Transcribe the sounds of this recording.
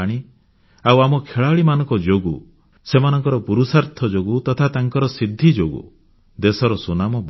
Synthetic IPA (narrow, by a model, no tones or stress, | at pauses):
ɽ̃i | awamɔkʰeɭaɭimanɔŋkɔd͡ʒoɡu | semanɔŋkɔɾɔpuɾusaɾt̪ʰɔd͡ʒoɡut̪ɔt̪ʰat̪aŋkɔɾɔsid̪ʱːid͡ʒoɡṵ | d̪esɔɾɔsunamɔb